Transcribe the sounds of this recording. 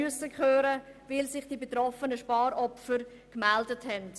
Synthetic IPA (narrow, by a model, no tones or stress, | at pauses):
yəsəkχøːɾə | vɪlsɪχd̥ibetɾɔfənəʃpɑːɾɔpfəɾ | kmɛldəthɛnt